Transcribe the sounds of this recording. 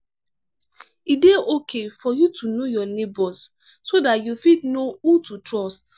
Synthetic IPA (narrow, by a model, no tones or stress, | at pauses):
ideokʰefɔjutʰunojɔlebɔs | sodatjufitnoututɹɔst